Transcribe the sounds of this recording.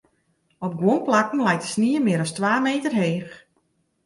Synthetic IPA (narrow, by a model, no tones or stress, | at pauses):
ɔp̚ɡwonplakən̩lɛjtə̥sniːəmɪəɾɔstʋaːmeːtərɦeːx